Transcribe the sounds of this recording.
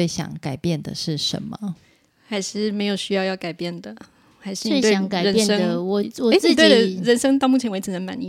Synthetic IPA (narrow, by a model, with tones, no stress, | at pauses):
e˥˩ɪɕjɑ̰˨˩ŋka˨˩ɪpjɛ˥˩nd̪ə̰˨ʂɻ̩˥˩ʂə̰˨˦nmə˦ | xa˧˥ɪʂɻ̩˥˩me˧˥ɪjo˨˩ʊɕy˥jɑ˥˧ʊjɑ˥˩ʊka˨˩ɪpjɛ˥˩nd̪ə˩ | xa˧˥ɪʂ̩˥˧˥t̪e˥˩ka˨˩ɻə˧˥˨nʂə˥ŋəwɔ˨wɔ˨˥˧t̪we˥d̪ə˩ɻə˧˥nʂə˥ŋt̪ɑ˥˧ʊmu˥˩t͡ɕʰjnwe˧˥ɪt͡s̩ʰ˧˩nə˧˦nma̰˨˧˦nḭ˥˨